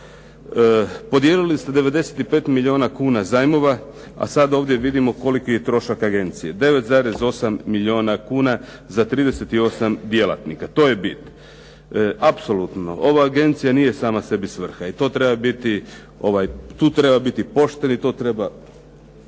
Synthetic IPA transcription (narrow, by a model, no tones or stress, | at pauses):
po̞d̪je̞ːlilist̪e̞d̪e̞ʋe̞d̪e̞set̪ipe̞ːt̪miʎʲio̞ːnakuːnazajmo̞ʋa | a̰sad̪o̞ːʋd̪je̞ʋid̪imo̞ko̞likoje̞t̪ɾo̞ʃakaɡe̞nt̪sije̞d̪e̞ʋet̪zaːɾe̞zo̞samːilʲio̞ːnakuːna | zat̪ɾiːd̪e̞se̞t̪io̞samd̪je̞lˠa̰t̪nikat̪o̞ːjebit̪n | apso̞lut̪no̞̰ʔo̞ʋaːɡe̞nt̪sijaniːje̞saːmase̞bisʋr̩xait̪o̞ːt̪ɾebabit̪i | o̞ʋajt̪uːt̪ɾe̞babit̪ipo̞ʃt̪e̞nit̪o̞ːt̪ɾe̞ba